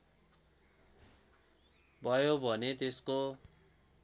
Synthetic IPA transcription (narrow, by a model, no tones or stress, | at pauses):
bʱʌjobʱʌnet̪esko